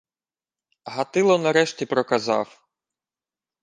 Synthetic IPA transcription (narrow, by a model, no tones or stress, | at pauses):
ɦɐt̪ɪlˠɔnɐɾɛʃtʲipɾɔkɐzɑ̰w